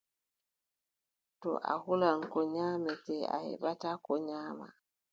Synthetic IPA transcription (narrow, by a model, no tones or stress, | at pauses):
tɔ̰ʔa̰hulankɔɲaːmɛtɛa̰jḛɓatakɔɲaːma̰